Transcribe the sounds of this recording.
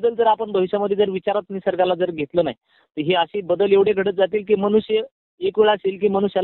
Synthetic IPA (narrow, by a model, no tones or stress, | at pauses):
d̪əlt̪əɾapəɳbʱəʋiɕaməd̪ʱːed͡zəɾʋit͡ɕaɾat̪nisəɾɡalad͡zəɾɡʱet̪ləna̰ɦj | t̪əɾɦeəɕiːbəd̪əleʋɽ̤jeɡʱəɽət̪̚d͡zat̪iːlk̬iːmənuɕjə | ekʋeɭasiːlk̬iːməñuɕja